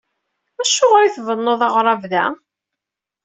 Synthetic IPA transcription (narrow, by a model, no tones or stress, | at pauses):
æʃːoʁɾiθvənːoðˤɑʁɾˤɑvðæ